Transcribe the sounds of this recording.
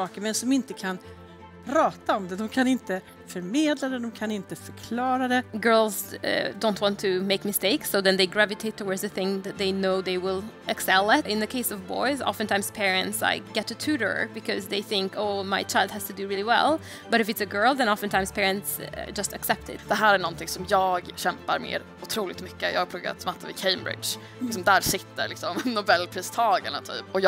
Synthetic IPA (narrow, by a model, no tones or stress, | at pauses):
sɑːkəmɛnsɔmɪnt̪əkʰan | pʰɾɑːt̪aɔmd̪ɛd̪ɔmkʰanɪnt̪ə | fœɾmeːd̪lad̪ɛd̪ɔmkʰanɪnt̪əfœɾkʰlɑːɾad̪ɛɡɜ˞lˠz̰dõʊ̃nt̚wɑ̃ntʰɨmeɪkmɨsteɪksoʊðɨ̃nðeɪɡɹævɨtʰeɪt̪ʰəwɔɹdzɨθɪ̃ŋðɨt̪̚ðeɪnoʊðeɪwɪlˠɨksɛlˠɪtɪ̃nðɨkʰeɪsʌvbɔ̰ɪzɑ̰fntʰãɪ̃mz̥pʰɛɹɨ̃ntsa̰ɪɡ̥ɛtʰɨtʰʉɾə̰˞bɨkʰʌzðeɪθɪ̃ŋkʰoʊmaɪt͡ʃʰaɪlˠd̚hæz̥tʰɨdɨɹɪlˠiwɛ̰lˠ | b̥ʌɾɨfɨtsɨɡɜ˞lˠðɨ̃ñɑfə̃ntʰãɪ̃mspʰɛɹɨ̃ntsd͡ʒʌstɨksɛp̚tʰɪ̰td̪̥ɛɦæːɾæɳɔnt̪ɪŋsɔmjɑːɡɕɛmpaɾmḛːd̪ | ʊt̪ʰɾuːlɪt̪mʏkːəjɑ̰ːɡapʰɾʊɡa̰t̪smat̪ʰːəvɪkʰeɪmbɾɪ̰d̪ʃ | lɪksɔmd̪æːɾsɪt̪ːə̰ɾlɪksɔmnʊbɛlːpʰɾiːst̪ʰɑːɡaɳat̪ʰy̰ːpɔj